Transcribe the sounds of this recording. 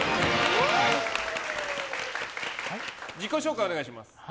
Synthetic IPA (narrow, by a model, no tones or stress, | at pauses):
d͡ʑiko̞ɕo̞ːkajione̞ɡaiɕ̬imasɨ̥